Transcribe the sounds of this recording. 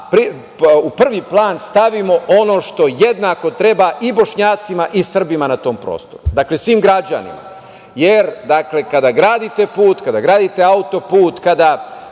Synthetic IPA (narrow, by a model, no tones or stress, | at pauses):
pɾi | upr̩ʋiplˠaːnst̪aʋimo̞ʔo̞no̞ːʃt̪o̞jed̪naːko̞t̪ɾe̞baʔibo̞ʃɲaːt̪simaʔisr̩bimanat̪o̞ːmpɾo̰ːst̪o̞̰ɾud̪akle̞sʋiːmɡɾad͡ʑa̰nḭma̰ | jeɾd̪akle̞kad̪aɡɾaːd̪it̪e̞puːt̪kad̪aɡɾaːd̪it̪e̞aut̪o̞puːt̪kad̪a